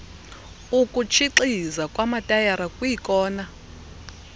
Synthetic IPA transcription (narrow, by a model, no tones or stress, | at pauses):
ukʼut͡ʃʰiǀizakʼwamatʼajaɾakʼujikʼɔːna